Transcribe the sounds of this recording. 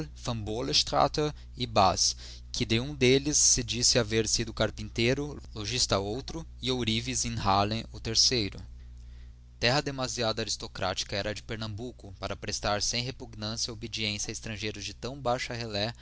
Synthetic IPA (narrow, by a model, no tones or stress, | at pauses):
fɐ̃mboleʃt̪ɾa̰t̪ɐ | ɪbas | kʰɪd̪ɪũd̪elɪsːɪd͡ʒisɪaveɾsid̪ʊkaɾpĩnt̪eɾʊloʒist̪ɐowt̪ɾʊ | ɪowɾivizẽj̃halẽʊt̪eɾsejɾʊ̰ | t̪ɛɦɐd̪emaziad̪ɐaɾist̪okɾa̰t͡ʃi̥kɐɛɾɐd͡ʒɪpeɾnɐ̃mbukʊpaɾɐpɾest̪aɾsẽj̃ɦepuɡnɐ̃sjɐobed͡ʒiẽsiɐɪst̪ɾɐ̃ʒejɾʊzd͡ʒɪt̪ɐ̃w̃bajʃɐhelɛ